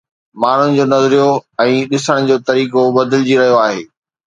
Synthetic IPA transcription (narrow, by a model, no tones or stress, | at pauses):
maːɳ̤ʊnɪ̆d͡ʑoːnɐzɾijoɛ̃ːɗɪsəɽ̃d͡ʑoːt̪ɐɾiːkobɐd̪ʱɪld͡ʑiɾɐɦijoaːɦḛː